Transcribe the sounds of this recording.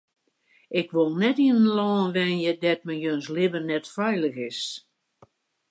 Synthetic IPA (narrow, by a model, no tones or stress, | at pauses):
ɪkʋolˠnɛtiənlɔːnʋɛnjədɛt̚məjønslɪbərnɛtfɛjləxɪs